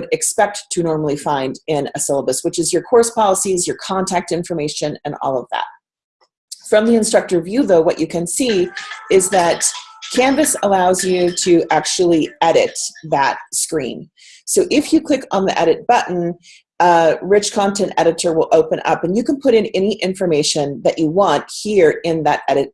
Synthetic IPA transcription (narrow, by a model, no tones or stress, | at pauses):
ɾɨkspɛk̚tʰɨnɔɹml̩ˠifãɪ̃ndɪ̃nɨsɛlˠəbɨswət͡ʃɨzjə˞kʰɔɹspʰɑlˠəsizjə˞kʰɑ̃ntʰæk̚tɪ̃ɱfə˞meɪʃɨ̃nɨ̰̃nɔ̰lˠʌvðæ̰t̚ | fɹʌ̃mðiɨ̃nstɹ̥ʌk̚tə˞vjʉðoʊwʌt͡ʃɨkʰɨ̃nsiɪzðɨt̚kʰæ̃ɱvɨsəlaʊzjʉɾɨʔæk̚t͡ʃul̩ˠiɛɾɪ̰t̪̚ðɨt̚skɹḭ̃n | soʊʔɪfjɨkʰl̥ɪkn̩ðḭʔɛɾɨt̚b̥ʌʔn̩ | ɹɪt͡ʃkʰɑ̃ntʰɛ̃ntɛɾɨɾə˞wəlˠʔoʊpɨ̃nʌ̰pɨ̃n̩jɨknpʰʊɾɨ̃nɛniʔɪ̃ɱfə˞meɪʃɨ̃nðɨt͡ʃɨwɑ̃nt̚hiɹɪ̃nðɨɾɛɾɨt̚